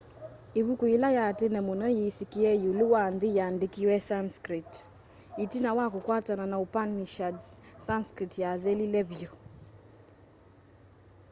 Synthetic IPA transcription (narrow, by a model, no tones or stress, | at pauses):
eβukuilajatenɛmonɔjesikiɛjoluwanðejandekiwɛsanskɾit | itinawakokwatananaopaniʃadssanskɾitjaðɛlilɛβjo